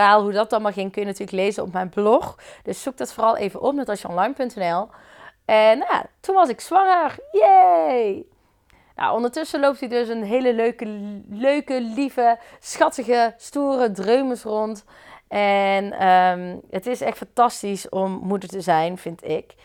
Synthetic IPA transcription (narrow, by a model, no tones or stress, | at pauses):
aːlˠɦudɑt̚dɑnmaχɪŋkɵjənatyːrləklejzənɔ̰pmɛjnblɔxd̥ɵsːuk̚dɑtforɑlˠʔḛjvənʔɔp̚nɛtʋɑsjəɔ̰nlɑjnpɵntɛnɛlˠ | ɛnja̰tunʋɑs̬ɪksʋɑŋərje | na̰wʔɔndəɹtɵsəlowp̚tidɵsənɦejləløɥkəløɥkəlivəsxɑtəɣəstuːrədrøɥməsrɔnt | ɛnəmətɪsɛχtfɑntɑstisɔmːudəɹtəzɛjnv̥ɪntɪk